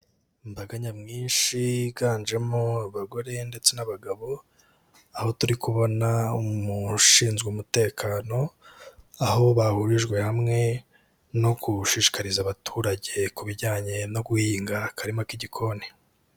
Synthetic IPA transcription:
mbaɡaɲamŋiːnʃiɡaːnd͡ʒe̞moaβaɡo̞ɾe̞nde̞t͡se̞naβaɡaβo̞ | aho̞tuɾikuβo̞naumuʃiːnzɡumute̞ːkʰaːno̞ | aho̞βahuɾiʒɡwe̞hamŋe̞ | no̞ɡuʃiʃi̥kaɾizaβatʰuːɾaɟe̞kuβiɟaːɲe̞no̞ɡuhiːŋɡakʰaɾimokiɟikʰo̞ni

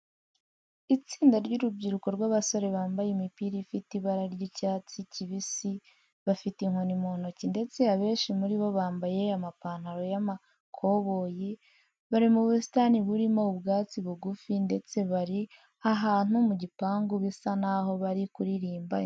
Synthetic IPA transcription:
it͡siːndaɾɟuɾub̚ɟiɾuko̞ɾɡwaβaso̞ɾe̞βaːmbajimipiɾifitiβaɾaɾɟicaːt͡siciβisi | βafitiŋ̥honimoːn̥ocinde̞t͡se̞aβe̞ːnʃimuɾiβo̞βaːmbaje̞amapaːnhaɾo̞jama | kʰo̞βo̞ji | βaɾimuβusi̥taniβuɾimoubɡaːt͡siβuɡufinde̞t͡se̞βaɾi | aɦaːn̥umuɟipaːŋɡuβisanaɦo̞βaɾikuɾiɾiːmba

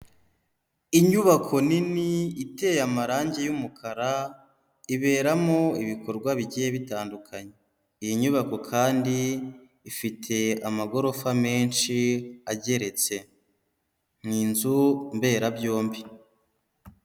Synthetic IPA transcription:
iɲuβakʰo̞niniite̞jamaɾaːɲɟejumukʰaɾa | iβe̞ːɾamo̞iβiko̞ɾɡwaβiɟijeβitaːndukʰaɲe | ijiɲuβako̞kʰaːndiː | fitʰe̞amaɡo̞ɾo̞fame̞ːnʃiaɟe̞ɾe̞t͡se̞ | n̥iːnzumbe̞ːɾabjo̞ːmbi

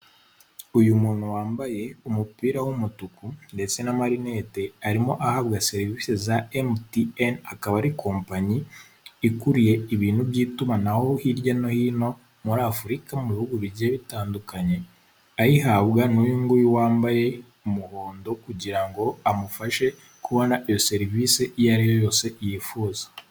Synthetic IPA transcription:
ujumuːnhuwaːmbaje̞umupiːɾawumutukunde̞t͡se̞namaɾine̞te̞aɾimo̞ʔahaβɡase̞ɾivisezaemtienakaβaɾikʰo̞ːmpaɲiː | kuɾije̞iβiːn̤hubjiːtumanaho̞hiɾjano̞hino̞ | muɾaːfuɾikamuβihuɡuβiɾɟeːβitaːndukaɲe̞ | ahiɦaβɡanujuːŋɡujiwaːmbaje̞ | umuho̞ːndo̞kuɟiɾaŋɡo̞amufaʃe̞ | kʰuβo̞naʔijo̞se̞ɾviːseʔijaɾijo̞jo̞ːse̞ijifuːzḁ

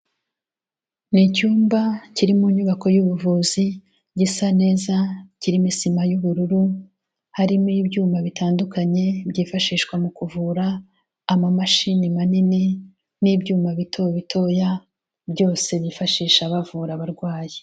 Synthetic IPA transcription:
nicuːmbaciɾimuɲuβako̞juβuvuːzi | ɟisane̞ːzaciɾimisimajuβuɾuɾu | haɾimibɟuːmaβitaːndukaɲe̞bɟiːfaʃiːʃkwamukuvuɾaː | mamaʃinimanini | niːbɟuːmaβitʰoβitʰo̞ːja | bjo̞ːse̞βifaʃiːʃaβavuːɾaβaɾɡwaːji

